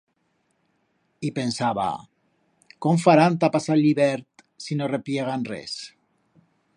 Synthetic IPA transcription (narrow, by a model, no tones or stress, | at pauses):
ipensaβa̰ | koɱfaɾant̪apasaʎiβɛɾt̪ | sinorepjeɣ̞anrɛ̰s